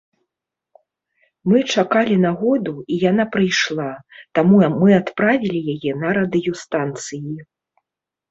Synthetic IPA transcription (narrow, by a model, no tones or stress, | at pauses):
mɨt͡ʂakalʲinaɣɔd̪uijan̪apɾɨjʂlˠat̪amumɨat̪pɾavʲilʲijajɛnɐɾɐd̪ɨjust̪ant̪sɨji